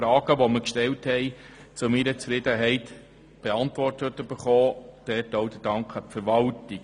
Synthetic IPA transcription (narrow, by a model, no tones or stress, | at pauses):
ɾɑːɡ̥əʋɔməkʃtɛlthɛɪ | t͡sʊmiɾət͡sfɾɪd̥̪əɦɛɪt | b̥eɑntʋɔrtətəb̥əχɔːd̥ɛtowd̪ədɑŋkχəpfəɾʋɑlti